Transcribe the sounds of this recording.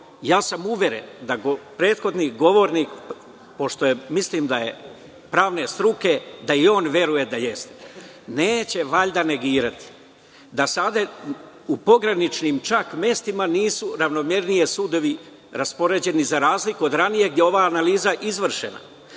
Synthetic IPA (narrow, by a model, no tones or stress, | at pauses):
jaːsamuʋje̞ɾe̞̰nd̪aɡopɾe̞ːt̪xo̞d̪niɡo̞ʋo̞ɾniːk | po̞ʃt̪o̞jemisliːmd̪aje̞ | pɾaːʋne̞st̪ɾuke̞d̪aio̞ːnʋʲje̞ɾuje̞d̪aje̞st̪e̥ | neːt͡ɕe̞ʋaʎd̪ane̞ɡiːɾat̪i̥ | d̪asad̪e | upo̞ɡɾanit͡ʃnimt͡ʃakmje̞st̪imaniːsuɾaʋno̞mje̞ɾnije̞sud̪o̞ʋi | ɾaspo̞ɾe̞d͡ʑe̞nizaɾaːzlikuod̪ɾanije̞ɡd̪jeo̞ʋaːnaliːzaʔizʋr̩ʃḛna̰